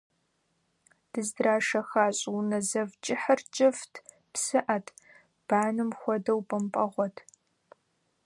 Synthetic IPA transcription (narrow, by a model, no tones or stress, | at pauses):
d̥ɨzdraːʂɐxaːɕʼwnɐzɐvt͡ʃʼɪħɐrt͡ʃʼɪftʰ | psɨʔɐtʰ | b̥aːnɨmxʷɔdɐwpʼɨmpʼɐʁʷɔtʰ